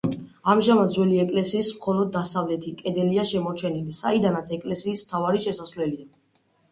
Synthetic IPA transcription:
amʒamad̪zwɛliɛkʼlɛsiːsmχɔlɔd̪̚ːasavlɛt̪ʰikʼɛd̪ɛliaʃɛmɔɾt͡ʃʰɛnilisaid̪anat̪sʰɛkʼlɛsiːsmt̪ʰavaɾiʃɛsasvlɛlia

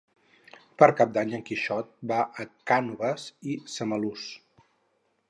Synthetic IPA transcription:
pəɾkap̚d̪aɲəŋkiʃɔt̪̚baʔəkanuβəsisəməlus

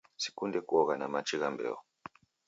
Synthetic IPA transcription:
si̥kundɛkuɔɣanamat͡ʃiɣambɛ̰ɔ

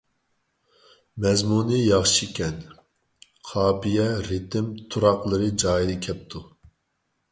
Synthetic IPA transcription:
mɛzmunɨjɑχʃikʲʰɛn | qʰɑːpijɛɾɪt̪ʰɪmt̪ʰuɾɑqlˠɨɾɨd͡ʒɑːjilɨkʲʰɛp̚t̪ʰu

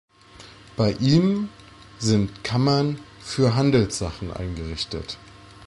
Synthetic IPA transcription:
b̥aɪʔiːm | zɪntkʰamɐnfyːɐɦandl̩sz̥aχn̩ʔa̰ɪnɡəʁ̞ɪçtə̰t

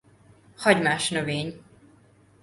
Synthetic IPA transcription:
hɒɟmaːʃnøveːɲ

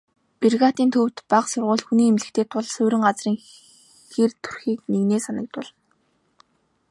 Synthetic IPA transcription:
pirɣaːt̪iːnt̪ʰɵwt̪paqsʊrʁʊ̟ːɮxuniːemɮɘ̆kt̪ʰeːt̪ʰʊɮsɵwɾɪ̆ŋɢat͡sriːŋ | xert̪ʰu̥rxiːkneɣneːsanə̆k̚t̪ʊɮn

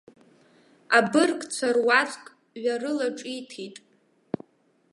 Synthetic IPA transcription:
abɨrkʼt͡sʷʰarwat͡sʼkʼ | ɥarɨlaʈ͡ʂʼitʰitʼ

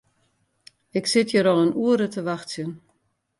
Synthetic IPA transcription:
ɪksɪtʰjəɾɔlˠənuəɾətəʋaxtsjən

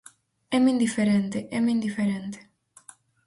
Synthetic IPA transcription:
ɛmind̪ifeɾent̪eʔɛmind̪ifeɾent̪e̥

